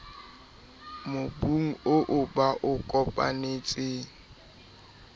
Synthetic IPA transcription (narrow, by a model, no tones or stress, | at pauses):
mʊbuŋ̩oʔʊbaʔʊkʼɔpʼa̰neːt͡sʼeːŋ̩